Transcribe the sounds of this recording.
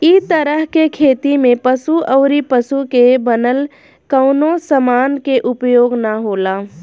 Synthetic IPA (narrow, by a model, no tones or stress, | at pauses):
it̪əɾəɦkekʰeːt̪imẽpəsuʔəʊɾipəsukebənəl | kəʊnosəmaːnkeʔʊpjoːɡnaɦoːla